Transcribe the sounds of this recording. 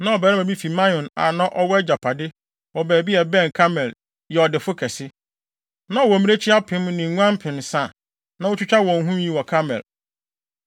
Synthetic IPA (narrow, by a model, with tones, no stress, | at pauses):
nã˨ɔ˨bɛː˨ɾɛ˦æ̃˨bi˦fi˨mã˦ɔ̃˨na̰˨nã˦ʔɔ˦wɔ˦d͡ʑa˨pʰa˨dɪ˦ | wɔ˨bæː˨bi˦ɛ˨bɛ̃˦˨n˨kʰa˦mɛ˨l | jɛ˨ɔ˨dɪ˨fʊ˦kʰɛ˨sɪ˦ | nã˦˨wɔ˨mĩ˦e˦t͡ɕʰɪ˦a˦pʰɪ̃˦mnɪ̃˨˦ã˦m˦pʰɪ̃˨nsã˦˨ | nã˨˦wʊ˦t͡ɕʰᶣu˦t͡ɕʰᶣa˦wɔ̃˨ŋ˦ɦũ˦m˦ji˦wɔ˨kʰa˦mɛ̰˨l